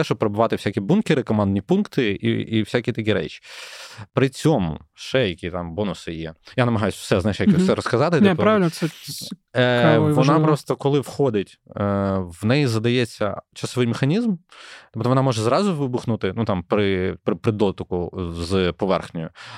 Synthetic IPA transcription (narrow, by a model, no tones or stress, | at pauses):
ɛʃɔb̚pɾebʊʋɑt̪ɪwsʲakʲibunkʲɪɾɪkɔmɑnd̪nʲipunkt̪ɪḭiwsʲakʲit̪ɐkʲiɾɛ̰t͡ʃi̥pɾɪt͡sʲɔmʊ̰ʃɛjɐkʲit̪ɑmbɔnʊsɪjɛ̰janɐmɐɦɑjʊsʲfsɛznajʃjɛksɛɾɔskɐzɑt̪ɪt̪ɔpɾɑʋɪlʲnsɛ | ʋɔnɑpɾɔst̪ɔkɔlˠɪwxɔd̪ɪtʲ | ʋnɛjizɐd̪ɐjɛt͡sʲːɐ̰t͡ʃɐsɔʋɪjmexɐnʲizmt̪ɔbt̪ɔʋɔnɑmɔʒɛzɾɑzʊʋɪbʊxnʊt̪ɪnut̪ɑmpɾɪpɾɪpɾɪd̪ɔt̪ʊkʊzpɔʋɛ̰rxnʲʊjʊ